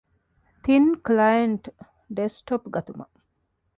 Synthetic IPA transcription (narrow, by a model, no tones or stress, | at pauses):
t̪inklɐjɐɳʈ | ɖesʈopɡɐt̪umɐ̰